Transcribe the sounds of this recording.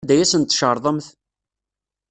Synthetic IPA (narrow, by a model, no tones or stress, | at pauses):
d̪æjæsənt̪ːʃəɾˤðˤəmθ